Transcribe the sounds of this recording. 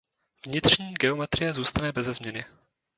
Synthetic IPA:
vɲɪt̪r̝̥ɲiːɡɛo̞mɛt̪ɾɪjɛzuːst̪anɛbɛzɛzmɲɛnɪ

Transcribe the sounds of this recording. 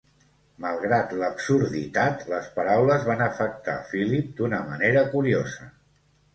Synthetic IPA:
məlˠɣɾat̪ləbsuɾðḭt̪at̪ləspəɾawləzβanəfək̚t̪a̰filip̚d̪unəməneɾəkuɾiozə

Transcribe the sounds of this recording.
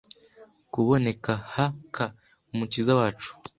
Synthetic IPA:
kuβo̞ne̞kahakʰa | umucizawaːt͡ʃu̥

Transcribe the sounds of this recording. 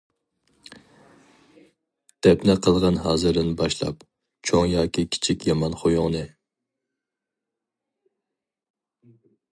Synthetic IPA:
d̪̥ɛpnɛqʰəlˠʁɑnɦɑːzɨɾd̪ɪnbɑʃlˠɑ̰p | t͡ʃʰoŋjɑːkʲikʲʰi̥t͡ʃʰikʲjɑmɑnχojʊŋnɨ

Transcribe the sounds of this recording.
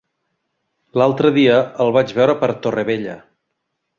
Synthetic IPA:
lalˠt̪ɾəðiəəlˠβad͡ʒβɛwɾəpəɾt̪orəβeʎə̰

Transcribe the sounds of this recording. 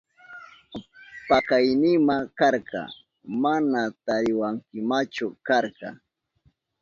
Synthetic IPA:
pɑkajnɪmakaɾɢɑ̰ | manat̪aɾɪwaŋkɪmat͡ʃʊkaɾkɑ̰

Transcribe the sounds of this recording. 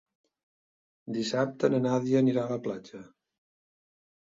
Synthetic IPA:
d̪isap̚t̪ənənaðiəniɾaələplad͡ʒə

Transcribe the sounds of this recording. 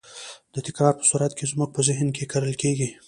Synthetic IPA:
d̪̥ət̪ɪkɾɑɾpə̥suɾat̪kʰezmuk̚pəzɪɦnkʰekaɾəlkeɡi

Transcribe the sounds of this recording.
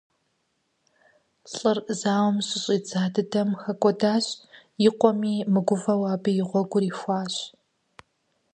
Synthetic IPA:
ɬʼɨrzaːwmɕʼɪɕʼiːd͡zaːdɨdɐmxɐkʷʼɔdaːɕjɪqʷɔmiːmɨɡʷʊvɐwaːbɨjɪʁʷɔɡʷʊɾiːxʷɑːɕ

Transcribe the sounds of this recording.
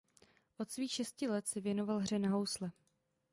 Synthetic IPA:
ʔo̞t̪sviːxʃɛscɪlɛt̪sɛvjɛno̞valɦr̝ɛnaɦo̞wslɛ

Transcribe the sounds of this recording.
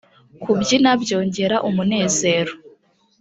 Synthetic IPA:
kʰubɟinabɟo̞ːɲɟe̞ɾaʔumune̞ːze̞ːɾo

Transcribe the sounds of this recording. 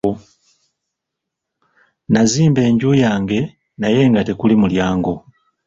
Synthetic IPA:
naziːmbe̞ːɲɟujaːŋɡe̞ | naje̞ːŋɡatekulimuljaːŋɡo

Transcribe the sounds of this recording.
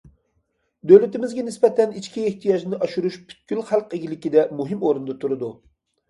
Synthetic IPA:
d̪øwlɪt̪ɪmɪzɡʲɛnɪspɛt̪ɛnit͡ʃkʲiːht̪ʰijɑʒnɪʔɑʃuɾuʃpʰy̥t̪̚kʲylχælˠqeɡʲilɪkʲid̪ɛmuɦɪmoɾɨnd̪ɑt̪ʰuɾɨd̪u

